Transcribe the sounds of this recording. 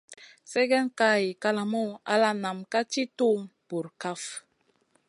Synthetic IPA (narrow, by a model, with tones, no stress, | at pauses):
sɛ˦ɡɛ˦nka˦˨ji˨ka˦la˨mɔ˦a̰˦la˦na˨mka˦t͡ʃi˦tu˦mpu˨ɾka˦f